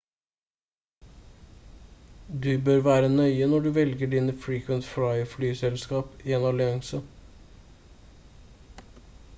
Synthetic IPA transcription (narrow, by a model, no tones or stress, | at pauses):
d̪ʉːbøːɾʋæːɾənœʏənɔɖʉːʋɛlɡəɖiːnəfɹiːkʰʋənt̪fɹɑɪflyːsɛlskɑːpɪɛnɑːlɪɑŋsə